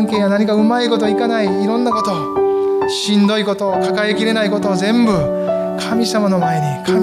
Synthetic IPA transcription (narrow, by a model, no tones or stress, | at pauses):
ŋke̞ːjanaɲ̟ikaɯ̟maiko̞t̪o̞ikanaiːɾõ̞nːako̞t̪o̞ | ɕĩnd̪o̞iko̞t̪o̞kakaekʲiɾe̞naiko̞t̪o̞ːzẽ̞mbɯ̟ | kʰamʲisamano̞mae̞ɲikʰa